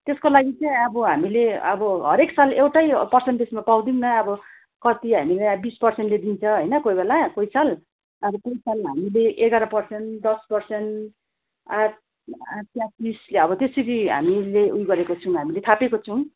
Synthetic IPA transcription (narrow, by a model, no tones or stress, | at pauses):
t̪eskolaɡit͡sʌ̃ʌbʌɦamileʌbʌɦʌɾeksalewʈajpʌrseɳʈbesmapaw̃d̪imnʌʌbʌ | kʌt̪iɦamilajbispʌrsenʈled̪int͡sʰʌɦʌjnʌkojbelakojsal | ʌbʌkojsalɦamileʔeɡaɾʌpʌrseɳd̪ʌspʌrseɳ | a | at̪jãtisleʌbʌt̪eseɾiɦa̰mileʔujɡʌɾekot͡sʰʌw̃ɦamilet̪ʰapekot͡sʰʌw̃